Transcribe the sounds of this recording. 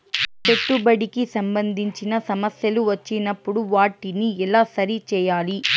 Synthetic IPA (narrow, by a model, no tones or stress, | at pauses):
t͡ʃeʈːubɐɽikisɐmbɐnd̪ʱiɲt͡ʃinɐsɐmɐsjɐluʋɐt͡ʃːinɐpːuɽuʋaːʈːiniɛlaːsɐɾit͡ʃɛːjaːli